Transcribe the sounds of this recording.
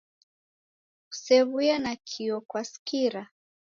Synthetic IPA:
u̥sɛβujanakʰiɔkwaskiɾa

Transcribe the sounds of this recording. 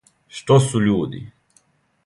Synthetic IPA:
ʃt̪osuʎuːd̪ḭ

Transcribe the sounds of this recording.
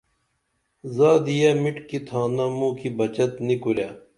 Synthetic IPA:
zaːd̪ijamiʈkit̪ʰaːnamũːkibɐt͡ɕɐt̪nikuɾjaː

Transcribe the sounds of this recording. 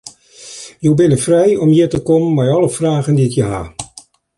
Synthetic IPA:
jowbɪnəfrɛjɔmjətəkɔmmɛjɑləfraːɣəndiəkjəɦa̰

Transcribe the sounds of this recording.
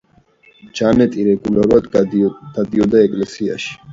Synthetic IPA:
d͡ʒanɛt̪ʼiɾɛɡulaɾuad̪d̪̥ad̪iɔd̪aɛkʼlɛsia̰ʃi̥

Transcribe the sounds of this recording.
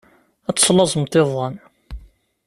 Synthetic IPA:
æt͡sːslɑzˤmt̪ːeðˤɑn

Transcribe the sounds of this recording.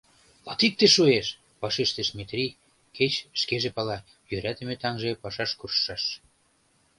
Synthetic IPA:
lɑt̪ik̚t̪eʃueʃ | pɑʃeʃt̪eʃmet̪rʲi | kʰet͡ɕʃkeʒepɑlɑ | jøɾæt̪ə̆met̪ɑŋʒepɑʃɑʃkurʃːɑʃ

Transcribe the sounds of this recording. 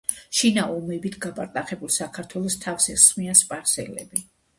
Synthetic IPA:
ʃinaɔmɛbit̪ʰɡapʼaɾt̪ʼaχɛbulˠsakʰaɾt̪ʰwɛlˠɔst̪ʰafsɛsχmianspʼaɾsɛlɛ̰bi

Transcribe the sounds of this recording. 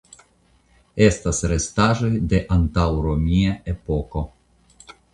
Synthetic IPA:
est̪asɾest̪aʒojd̪eʔant̪awɾomʲiaepoko

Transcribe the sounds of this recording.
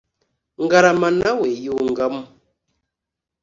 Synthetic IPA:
ŋ̩ɡaɾamanawejuŋɡam

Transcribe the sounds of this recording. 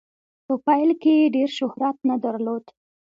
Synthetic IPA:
pəpɑjlkejeɖeɾʃʊhɾat̪nad̪aɾlod̪

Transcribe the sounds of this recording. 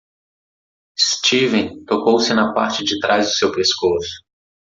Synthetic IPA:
st͡ʃivẽt̪okowsɪnɐpa̰ɾt͡ʃɪd͡ʒɪt̪ɾʔazd̪ʊsewpeskosʊ̥

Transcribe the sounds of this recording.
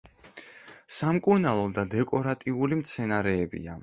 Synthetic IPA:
samkʼuɾnalˠɔd̪ad̪ɛkʼɔɾat̪ʼiulimt̪sʰɛnaɾɛːbḭa

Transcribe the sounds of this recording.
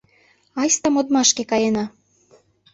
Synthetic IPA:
ɑjst̪ɑmod̪mɑʃkekɑjenɑ

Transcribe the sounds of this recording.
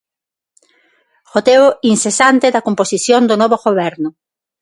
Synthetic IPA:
xot̪eoinsesant̪eðɐkomposiθjond̪onɔβoɣoβ̞ɛɾnʊ

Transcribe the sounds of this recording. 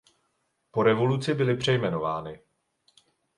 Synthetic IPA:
po̞ɾɛvo̞lut͡sɪbɪlɪpr̝̥ɛjmɛno̞vaːnɪ

